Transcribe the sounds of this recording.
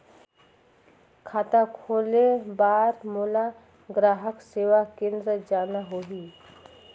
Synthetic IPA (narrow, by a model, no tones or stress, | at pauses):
kʰaːt̪akʰoːlebaːɾmoːla | ɡɾaːɦəkseːʋakẽːnd̪ɾəd͡ʒaːnaɦoːɦiː